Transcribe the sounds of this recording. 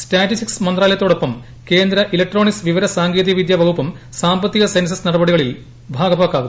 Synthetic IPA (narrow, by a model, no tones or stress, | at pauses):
sʈaːʈːisiksmɐnd̪rɾaːlɐjɐt̪ːoːɽo̞pːɐm | ke̞ːnd̪ɾɐʔilɐk̚ʈro̞ːɳisʋiʋɐɾɐsaːŋɡeːd̪iɐʋid̪jaːʋɐkupːɐm | saːmbɐt̪ːiɣɐsensɐsnɐɽɐbɐɽiɣɐɭil | bʱaːɡɐpaːkːaːɣunː